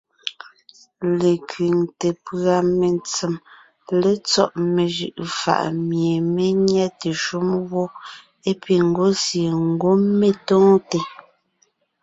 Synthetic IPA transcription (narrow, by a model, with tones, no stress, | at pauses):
le˨kɥi˨ŋte˨pɰa˨me˨nt͡si˨m | le˦t͡sɔ̰˦ʔme˨ʒɯ̰˨ʔfa̰˨ʔmje˨me˦ɲɛ˦te˨ʃu˦mwɔ˦ | e˦pi˨ŋ̩˨ɡo˦sje˨ŋ̩˦ɡo˦me˨tɔ̃ː˦te˨